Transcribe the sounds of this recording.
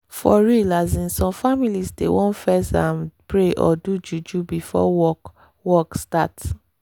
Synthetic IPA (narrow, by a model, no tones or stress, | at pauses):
fɔɹilazĩnsɔ̃mfamilisdḛwɔ̃nfɛsã̰mpɹeʔɔ̰dud͡ʒud͡ʒubifɔ̰wɔ | wɔkstat